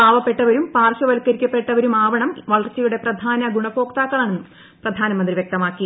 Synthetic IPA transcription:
aːʋɐpːe̞ʈːɐʋɐɾumpaːrɕɐʋɐlkːɐɾikʲːɐpːe̞ʈːɐʋɐɾumaːʋɐɳɐmʋɐɭɐrt͡ɕːɐjuɽe̞prɐd̪ʱaːnɐɡuɳɐfo̞ːkt̪aːkːɐɭaːɳenːɨm | prɐd̪ʱaːnɐmɐnd̪riʋjek̚t̪ɐmaːkːi

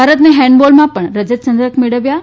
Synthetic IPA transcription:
aɾət̪neɦɛ̃ɳɖbolmãpəɳɾəd͡ʑəd̪̚t͡ɕənd̪ɾəkmeɭəʋja

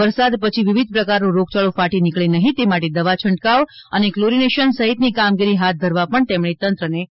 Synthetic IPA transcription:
əɾsad̪pət͡ʃʰiʋiʋid̪̚pɾəkaɾnũɾoɡ̚t͡ʃaɭofaʈinikɭenəɦĩt̪emaʈed̪əʋat͡ʃʰəɳɖkaʋənekloɾineʃənsəɦit̪nikamɡiɾiɦat̪̚d̪ʱəɾʋapəɳt̪emɳet̪ənt̪ɾəne

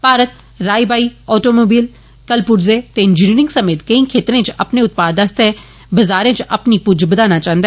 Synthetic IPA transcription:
paːɾət̪̚ | ɾaːibaːiːɔːʈoːmoːbiːl | kəlpʊɾzeːt̪eɪnd͡ʒɪniːɾɪ̃ŋɡsəmeːt̪kəĩːkʰeːt̪ɾẽːt͡ʃəpneʊt̪̚paːd̪əst̪e | bəzaːɾẽːt͡ʃəpnipʊd͡ʒbəd̪aːnat͡ʃãːnd̪aɛ

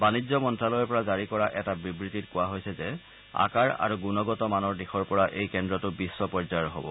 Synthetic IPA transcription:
banizɔmɔntɹalɔjɔpɔɹazaɹikɔɹaʔɛtabibɹititkʊwaɦojsɛzɛ | a̰kaɹa̰ɹuɡunɔɡɔtɔmanɔɹdixɔɹpɔɹaʔejkɛndɹɔtʊbisːɔpɔzajɔɦɔ̰bɔ̰

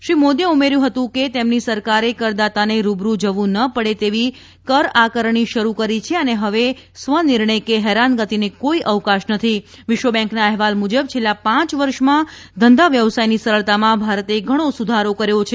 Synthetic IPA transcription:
ʃɾimod̪jəumeɾjũɦət̪ũket̪emnisəɾkaɾekəɾd̪at̪aneɾubɾud͡ʒəʋũnəpəɽet̪eʋi | kəɾakəɾɳ̃iʃəɾukəɾit͡ʃʰeəneɦəʋe | sʋənɪɾɳəjkeɦɛɾanɡət̪inekoiʔəʋkaʃnət̪ʰiʋɪʃʋəbɛ̃ŋknaɛɦʋalmud͡ʒəb̚t͡ʃʰelːapãt͡ʃʋəɾʃmã | d̪ʱənd̪aʋjəʋsajnisəɾəɭt̪amãbʱaɾət̪eɡʱəɽ̃osud̪ʱaɾokəɾjot͡ʃʰe

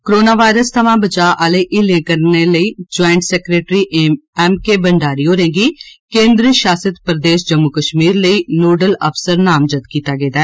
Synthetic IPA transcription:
koɾoːnaːʋaːɪɾəst̪ʰəʋãːbət͡ʃaːʔaːleːʔɪlẽːkəɾneːləiːd͡ʒɔːɪɳʈsɛːkɾeːʈɾiːʔɛːmkeːbəɳɖaːɾiːɦoːɾẽːɡiːkẽːnd̪ɾəʃaːsət̪pəɾəd̪eːʃd͡ʒəmːʊkəʃmiːɾləiːnoːɖələpsəɾnaːmd͡ʒət̪kiːt̪aːɡeːd̪aɛː

